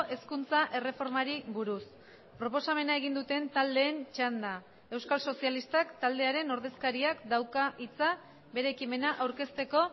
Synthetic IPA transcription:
ʔe̞skunt͡saʔe̞re̞fo̞ɾmaɾiβuɾus | pɾo̞po̞same̞naeɣ̞ind̪ut̪e̞nt̪ald̪e̞ːnt͡ʃand̪a | e̞wskalso̞sialist̪akt̪ald̪e̞aɾe̞no̞ɾðe̞skaɾiakd̪awkaʔit͡sa | be̞ɾe̞ːkime̞naʔawɾke̞st̪e̞ko̞

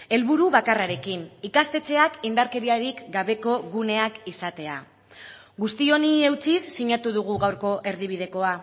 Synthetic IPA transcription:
e̞lβuɾuβakaraɾe̞kinikast̪e̞t͡se̞akind̪aɾke̞ɾiaɾikɡaβe̞ko̞ɣune̞akisat̪e̞a̰ | ɣust̪io̞nie̞wt͡sisːiɲat̪uð̞uɣ̞uɣawɾko̞ʔe̞ɾðiβ̞ið̞e̞ko̞a

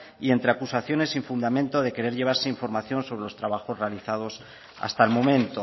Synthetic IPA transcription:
ie̞nt̪ɾe̞akusaθjo̞ne̞siɱfund̪amẽnt̪o̞ð̞e̞ke̞ɾe̞ɾʝe̞β̞aɾse̞iɱfo̞ɾmaθjo̞nso̞βɾe̞lo̞st̪ɾaβaxo̞zre̞aliθað̞o̞s | a̰st̪aelmõ̞mẽ̞nt̪o̞

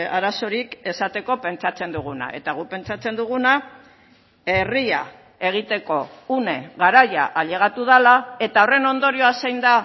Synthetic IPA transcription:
aɾaso̞ɾike̞sat̪e̞ko̞pe̞nt͡ʃat͡se̞nd̪uɣuna̰ʔe̞̰t̪aɣ̞upe̞nt͡sat͡se̞nd̪uɣuna | e̞ria̰ | e̞ɣ̞it̪e̞ko̞une̞ɣaɾaja̰ʔːʎe̞ɣ̞at̪uðalae̞t̪ao̞re̞no̞nd̪o̞ɾio̞asejnd̪a

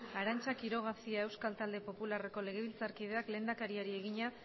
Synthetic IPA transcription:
aɾant͡ʃakiɾo̞ɣ̞asiae̞wskalt̪ald̪e̞po̞pulare̞ko̞le̞ɣ̞e̞β̞ilt͡saɾkið̞e̞akle̞ːnd̪akaɾiaɾie̞ɣ̞iɲa

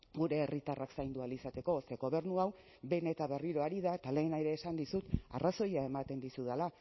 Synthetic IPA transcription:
ɡuɾe̞ːrit̪araksajnd̪ualisat̪e̞ko̞se̞ɣo̞β̞e̞ɾnuaw | be̞ne̞t̪aβe̞riɾo̞aɾiðaet̪ale̞ːnaiɾe̞ːsand̪isut̪a̰raso̞jae̞mat̪e̞nd̪isuð̞ala

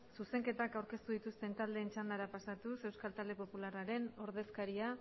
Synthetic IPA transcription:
suse̞ŋke̞t̪akawɾke̞st̪uðit̪ust̪e̞nt̪ald̪e̞ːnt͡ʃand̪aɾapasat̪use̞wskalt̪ald̪e̞po̞pularaɾe̞no̞ɾð̞e̞skaɾia

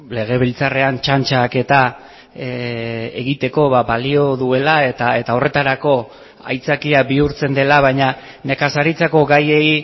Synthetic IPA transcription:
le̞ɣ̞e̞β̞ilt͡sare̞ant͡ʃant͡ʃake̞t̪a | eḛɣit̪e̞ko̞βaβalio̞ðue̞laet̪ae̞t̪ao̞re̞t̪aɾako̞ | a̰jt͡sakiabiuɾt͡se̞nd̪e̞laβ̞ajɲa | ne̞kasaɾit͡sako̞ɡajei

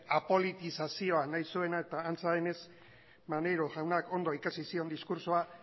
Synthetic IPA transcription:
apo̞lit̪isasio̞anajsue̞nae̞t̪aːnt͡saðene̞s | mane̞ɾoʝawnako̞nd̪o̞ikasisio̞nd̪iskuɾsoa

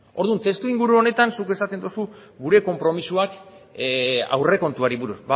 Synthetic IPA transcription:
o̞ɾðunt̪e̞st̪uiŋɡuɾuo̞ne̞t̪ansukesat̪e̞nd̪usuɡuɾe̞ko̞mpɾo̞misuak | a̰wre̞ko̞nt̪uaɾiβuɾusba

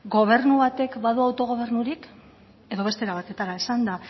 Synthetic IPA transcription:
ɡo̞β̞e̞ɾnuβat̪e̞kbaðuawt̪o̞ɣ̞o̞β̞e̞ɾnuɾik | e̞ðo̞β̞e̞st̪e̞ɾaβ̞at̪e̞t̪aɾaesand̪a

